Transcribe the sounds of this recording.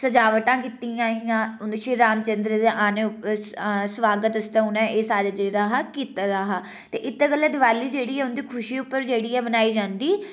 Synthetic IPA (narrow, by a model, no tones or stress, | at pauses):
səd͡ʒaːʋəʈãːkɪt̪iãːɦjãːʊnʃiːɾaːmt͡ʃənd̪ɾəd̪eʔaːnẽːʊpsʋaːɡət̪əst̪ãːʊnɛ̃ːʔeːsaːɾad͡ʒeːɾaːɦakiːt̪aːd̪aːɦaː | t̪eːʔɪt̪ːɡəlːaːd̪ɪʋaːliːd͡ʒeːɽiːɛːʊnd̪iːkʰʊʃiːʊpːəɾd͡ʒeːɽiːɛːbənaːiːd͡ʒãːnd̪iː